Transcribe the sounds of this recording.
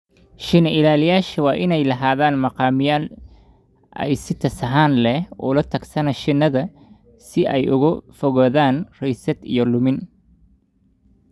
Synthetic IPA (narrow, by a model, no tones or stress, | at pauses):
ʃɪnɐɪlaːlɪjaːʃɐwɑːʔɪnɛjlɐɦaːðaːnmɑqɑːmɪjaːl | ʔɛ̰jsɪt̪ʰɐsɐɦaːnlɛɔ̰ːlɐt̪ʰɐɡsɐnɐʃɪnːɐðɐ | sɪʔɛjʔʊ̰ɣʊfɔɣɔːðaːnrɛjsɐd̪ḭjɔlʊmɪn